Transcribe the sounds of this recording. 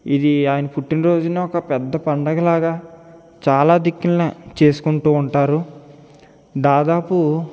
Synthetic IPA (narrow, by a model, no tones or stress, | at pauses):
id̪iaːjɐnɐpuʈːinɐɾo̞ːd͡ʒunaːɔkɐpɛd̪ːɐpɐɳɖɐɡɐlaːɡaː | t͡ʃaːlaːd̪ikːilnat͡ʃe̞ːsu̥kuɳʈuːɳʈaːɾu | d̪aːd̪aːpu